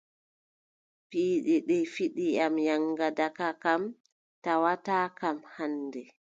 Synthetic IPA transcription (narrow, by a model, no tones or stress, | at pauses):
piːɗɛɗɛfiɗiamjaŋɡadakakam | tawataːkamhanːdɛ